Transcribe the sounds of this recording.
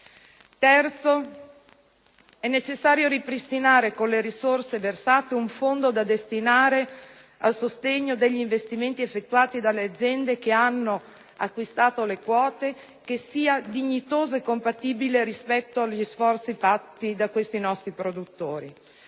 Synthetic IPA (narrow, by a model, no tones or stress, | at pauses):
t̪ɛrt̪so | ɛnːet͡ʃesːaːɾjoɾipɾist̪inaːɾekonleɾisorseversaːt̪euɱfond̪od̪ad̪est̪inaːɾe | alsost̪eɲːod̪eʎːiɱvest̪iment̪iefːet̪ːuaːt̪id̪alːead̪zːjɛnd̪ek̟eanːo | akːwist̪aːt̪olekwɔːt̪e | kesːiːad̪iɲːit̪oːzoekːompat̪iːbileɾispɛt̪ːoaʎisfɔrt̪sifat̪ːid̪akːwest̪inɔst̪ɾipɾod̪ut̪ːoːɾḭ